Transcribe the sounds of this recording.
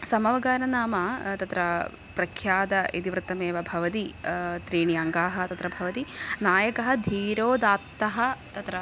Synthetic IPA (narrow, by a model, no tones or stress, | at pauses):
sɐmɐʋɐɡaːnɐnaːmɐt̪ɐt̪ɾɐ | pɾɐkʰjaːd̪ɐʔit̪iʋɾɨt̪ːɐmeːʋɐbʱɐʋɐt̪it̪ɾiːɳijaŋɡaːɦɐ̆t̪ɐt̪ɾɐbʱɐʋɐt̪inaːjɐkɐɦɐ̆d̪ʱiːɾoːd̪aːt̪ːɐɦɐt̪ɐt̪ɾɐ